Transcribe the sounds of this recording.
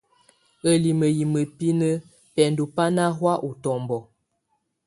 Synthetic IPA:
ə˨li˨mə˨ji˨mə˨pi˦nə˦ | pɛ˨n˨du˨pa˦na˦ɦwa˦ʔu˨tɔ˨mbɔ˨

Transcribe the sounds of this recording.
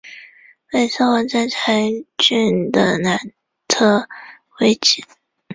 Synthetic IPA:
me˥˩ɪʂʰɔ˥wə˧˥˩t͡sa˥˩t͡sʰa˧˥ɪt͡ɕy˥˩nd̪ə˨˩na˧˥n | t̪ʰɤ˥˩ | we˥ɪt͡ɕi˨˥˦

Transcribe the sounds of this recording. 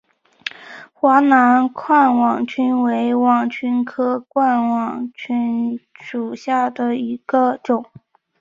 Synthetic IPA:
xwa˧˥na˧˥nkʰwa˥˩nwɑ˨˩ŋt͡ɕʰy˥nwe˧˥ɪwɑ˨˩ŋt͡ɕʰy˥nkʰɤ˥kwa˥˩nwɑ˨˩ŋt͡ɕʰy˥nʂu˨˩ɕja˥˩d̪ə˩i˧˥ɡ̥ə˧ʈ͡ʂʊ˨˩˦ŋ

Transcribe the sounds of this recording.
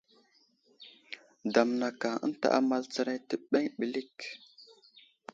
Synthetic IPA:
da˨mna˨ka˨ə̰˦n˦ta̰˨ʔa̰˨ma˦lt͡sa˦ɾa˦jtə˨ɓe˦ŋɓi˨li˦k

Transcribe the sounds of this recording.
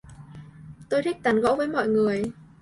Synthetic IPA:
t̪o˧jt̪ʰi˦˥k̚t̪aː˨˦nɣɔ̰˧˥wvəː˨˦jmɔ̰˧˨jŋɨ˨˩əj

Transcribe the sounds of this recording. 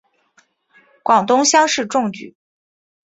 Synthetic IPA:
kwɑ˨˩ŋt̪ʊ˥ŋɕjɑ˥ŋʂɻ̩˥˧ʈ͡ʂʊ˥˩ŋt͡ɕy̰˨˩˦

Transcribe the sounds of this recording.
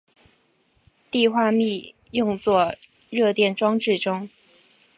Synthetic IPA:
t̪i˥˧xwa˥˧mi˥˧ | jʊ˥˧ŋt͡swɔ˥˧ | ɻɤ˥˧t̪jɛ˥˩nʈ͡ʂwɑ˥ŋʈ͡ʂɻ̩˥˩ʈ͡ʂʊ˥ŋ

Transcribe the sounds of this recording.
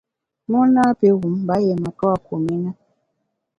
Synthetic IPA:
nɔ˦na˦pe˦ɣu˨˦m˦ba˨˦jɛ˨ma˨tɔ˦a˨ko˨me˦na˦

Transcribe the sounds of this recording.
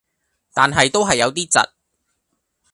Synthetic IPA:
t̪aː˨nɦɐ˨jt̪o˥wɦɐ˨jːɐ˨˧wt̪̬iː˥t͡sɐ̰˨t̚

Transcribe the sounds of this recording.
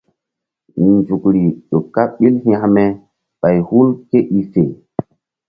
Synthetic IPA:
nd͡ʒu˨kɾi˨ɗo˨kːa˦ɓi˦lhĩ˦a˦mɛ˦ | ɓa˨jhu˦lke˦ʔi˨se˨

